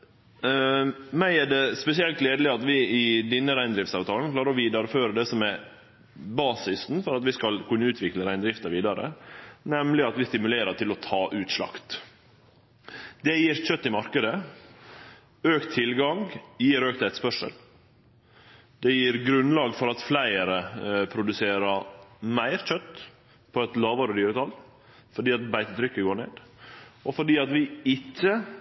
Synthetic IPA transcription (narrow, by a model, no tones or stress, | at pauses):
mæɪæɖɛspɛsɪɛlt̪leːd̪l̩ɪɑt̪ʋɪɪd̪ɛnːəɾæɪnd̪ɾɪft̪sɑːʋt̪ʰɑːln̩kʰlɑːɾəɾɔʋiːd̪ɑɾføːɾəd̪ɛsɔmæɾ | bɑːsɪsn̩fɔɾɑt̪ʋɪskɑlkʰʉnːəʉːt̪ʰʋɪkləɾæɪnd̪ɾɪft̪əɾʋiːd̪ɑɾə̰nɛmlɪɑt̪ʋɪst̪ɪmʉleːɾəʈ̪ʰɪlɔt̪ʰɑːʔʉːt̪ʂlɑ̰kt̪ | d̪ɛjiːɾçœt̪ːɪmɑɾkəd̪ə | øːkt̪ʰːɪlɡɑŋjiːɾøːk̚t̪æɪt̪spœʂə̰l | d̪ɛjiːɾɡɾʉnlɑːɡfɔɾɑt̪flæɪəɾəpʰɾʊd̪ʉseːɾəmæɪɾc͡çœt̪ː | pʰɔɛt̪lɑːʋəɾəd̪yːɾət̪ʰɑl | fɔɖiːɑt̪bæɪt̪ət̪ʰɾʏkːəɡoːɳḛːd̪ɔfɔɖiːɑt̪ʋɪɪcːə